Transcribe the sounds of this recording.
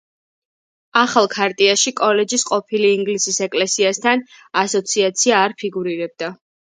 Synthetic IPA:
aχalˠkʰaɾt̪ʼiaʃikʼɔlɛd͡ʒisqʼɔpʰiliːŋɡlisisɛkʼlɛsiast̪ʰanasɔt̪sʰiat̪sʰiaːɾpʰiɡuɾiɾɛb̚d̪a

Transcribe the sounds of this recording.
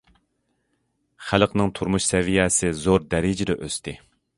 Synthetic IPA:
χælqnɨŋt̪ʰuɾmuʃsɛvijɛsɪzoɾd̪ɛɾɪd͡ʒɪd̪ɛʔøst̪ʰɪ

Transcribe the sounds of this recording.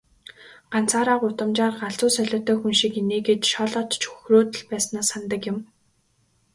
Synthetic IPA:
ɢan̥t͡saːɾaːɢʊt̪ə̆mt͡ɕaːrɢaɮt͡sʊːsœɮʲɔ̆t̪œːxunʃikeneːɡet̪ʃɔɮɔːt̪t͡ɕxu̥xroːt̪ə̆ɮpæːsnaːsant̪ə̆kjɪ̆m

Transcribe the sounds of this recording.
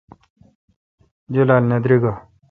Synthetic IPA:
d͡ʑulaːlnɐd̪ɾiɡa

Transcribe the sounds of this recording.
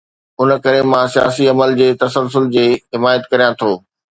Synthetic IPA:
ʊnkɐɾemãsija̰ːsiɐməld͡ʑeːt̪ɐsəls̬ʊld͡ʑeːɦɪmaːjət̪kɐɾijãt̪ʰoː

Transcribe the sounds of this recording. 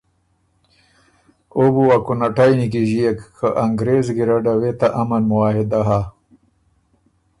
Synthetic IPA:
obuwakunaʈajnikiʑijekkʰəʔaŋɡɾezɡiɾaɖawet̪aʔɐmɐnmuwaːɦed̪aɦa

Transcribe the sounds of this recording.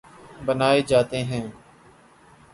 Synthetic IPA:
bənaːeːd͡ʒaːt̪eːɦɛ̃ː

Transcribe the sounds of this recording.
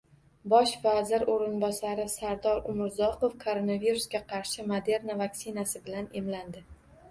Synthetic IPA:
bɒʃvazɪɾoɾɪnbɒsaɾɪsaɾd̪ɒɾʊmɪɾzɒqofkʰoɾonaviɾusɡʲaqʰɑɾʃɪmod̪e̞ɾnavaksɪnasɪbɪlane̞mland̪ɪ

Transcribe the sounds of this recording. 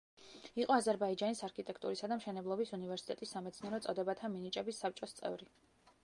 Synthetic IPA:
iqʼɔazɛɾbaid͡ʒanisaɾkʰit̪ʼɛkʰt̪ʼuɾisad̪amʃɛnɛblˠɔbisunivɛɾsi̥t̪ʼɛt̪ʼisːamɛt̪sʰniɛɾɔt̪sʼɔd̪ɛbat̪ʰaminit͡ʃʼɛbisːap̚t͡ʃʼɔst̪sʼɛ̰vɾi

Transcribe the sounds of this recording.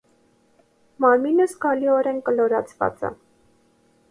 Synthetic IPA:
mɑɾminəskɑliɔɾɛnkəlɔɾɑt͡sʰvɑ̰t͡sə̰

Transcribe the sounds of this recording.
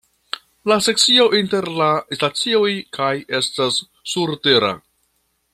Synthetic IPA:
lase̞k̚t͡sio̞ʔinte̞ɾlastat͡sio̞jkʰaje̞stasː | uɾte̞ɾa̰

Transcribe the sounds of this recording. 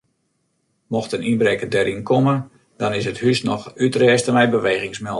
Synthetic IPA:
mɔxtəninbɾɛkədɛɾʔinkomə | d̥ɔnɪsəthysnɔxytrɛːstəmɛjbəʋeːɣɪŋsmɛ

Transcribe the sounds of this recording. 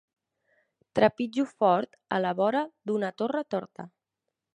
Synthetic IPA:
t̪ɾəpid͡ʒufɔɾt̪ə̰ləβɔɾəd̪unat̪orət̪ɔɾt̪ə

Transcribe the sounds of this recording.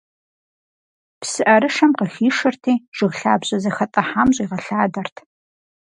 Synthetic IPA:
psɨʔɐɾɨʂɐmqəxiːʂɨrtʰiːʒ̥ɨʁɬaːbʑʼɐzɐxɐtʼɐħaːmʑʼiːʁɐɬaːdɐrtʰ

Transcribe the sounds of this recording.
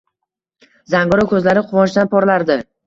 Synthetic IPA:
zaŋɡʊɾɒkʲʰɵzlaɾɪqʰʊvɒnʃd̪anpʰɒɾlaɾd̪ɪ

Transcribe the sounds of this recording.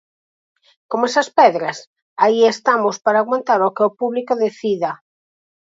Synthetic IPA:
komɛsɐspɛðɾɐs | aiest̪amʊspaɾaːɣwant̪aɾokeopuβlikoðeθiðɐ

